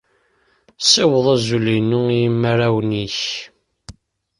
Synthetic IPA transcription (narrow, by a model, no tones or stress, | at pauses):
sæwəðˤæzulinuijəmːəɾæwniç